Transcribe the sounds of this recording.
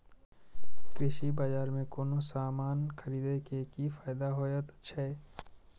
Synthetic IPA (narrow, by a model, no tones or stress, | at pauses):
kɾɪʃibaːd͡ʒaːɾmẽkoːnosaːmaːnkʰɐɾiːd̪ekekifaːɪd̪aɦoːjət̪t͡ʃʰe